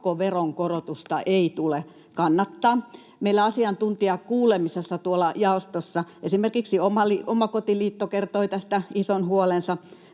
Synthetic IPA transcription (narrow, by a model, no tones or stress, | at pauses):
koʋeroŋkorot̪ust̪ɑ̰ʔeit̪ule | kɑnːɑt̪ːɑː | meilːˑæɑsiɑnt̪unt̪iɑkuːlemisesːɑt̪uolɑjɑost̪osːɑesimerkiksiomɑliomɑkot̪iliːt̪ːokert̪oit̪æst̪æisonhuolensɑ